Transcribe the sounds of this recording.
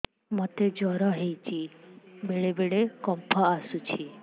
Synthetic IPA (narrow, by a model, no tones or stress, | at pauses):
mot̪ed͡ʒɔɾɔɦejt͡ʃʰibeɭebeɭekɔmpʰɔasut͡ʃʰi